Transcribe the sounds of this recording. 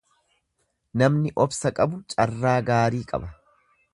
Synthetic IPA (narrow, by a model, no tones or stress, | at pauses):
nɐmnɪʔɔbsɐkʼɐbʊt͡ʃʼɐrːaːɡaːɾiːkʼɐ̰bɐ